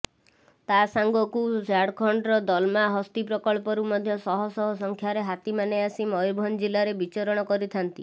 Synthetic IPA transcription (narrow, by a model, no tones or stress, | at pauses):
t̪asaŋɡɔkud͡ʒaɽkʰɔɳɖɾɔd̪ɔlmaɦɔst̪ipɾɔkɔɭpɔɾumɔd̪ʱjɔsɔɦɔsɔɦɔsɔŋkʰjaɾeɦat̪imaneasimɔjubʱɔnd͡ʒilaɾebit͡ʃɔɾɔɽ̃ɔkɔɾit̪ʰant̪i